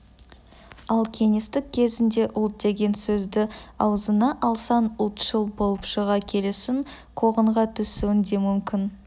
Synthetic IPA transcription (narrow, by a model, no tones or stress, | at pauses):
ɑlˠkʲʰe̞ŋe̞st̪ɪk̚ʲkʲʰːe̞zɪnd̪e̞ʔʊlˠt̪̚d̪e̞ɡʲe̞nsɵzd̪ɪɑwzənɑʔɑlˠsɑnʊlˠt̪ʒ̥əlˠbo̞lˠəpʃəʁɑkʲʰe̞le̞sɪŋ | qʰo̞ʁəɴʁɑt̪ʰʏsuɪnd̪e̞mʏmkʲɪn